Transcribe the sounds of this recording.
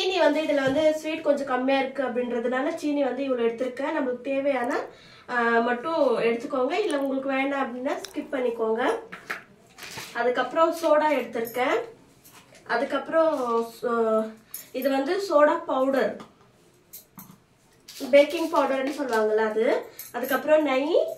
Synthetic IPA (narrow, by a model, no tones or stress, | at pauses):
t͡ʃiːniʋɐnd̪ɯɪðɪlɐʋɐnd̪ɯsɾiːʈkɔɲd͡ʒɔ̃kɐmːɪjaːɪɾɯkːɯɐpːɐɽɪnɾɐðɯnaːlɐt͡ʃiːniʋɐnd̪ɯɪʋɐɭoɛɽɯt̪ːɯɾɯkːẽːnɐmːɐɭɯkːɯt̪eːʋɐjaːnɐ | mɐʈːʊ̃ɛɽɯt̪ːɯkːoːŋɡɐɪlːɐʊŋɡɐɭɯkːɯʋeːɳaːɐpːɽɪnːaːskɪʈ̚pɐɳːɪkːoːŋɡɐ | ɐðɯkːɐpːɯɾɔ̃soːɽaːɛɽɯt̪ːɯɾɯkːẽː | ɐðɯkːɐpːɯɾɔ̃ | ɪðɯʋɐnd̪ɯsoːɽaːpɐʊɽɐɾ | beːkɪŋɡpɐʊɽɐɾɐnːɯsɔlːɯʋaːŋɡɐlːaːɐðɯɐðɯkːɐpːɯɾɔ̃nɐɪ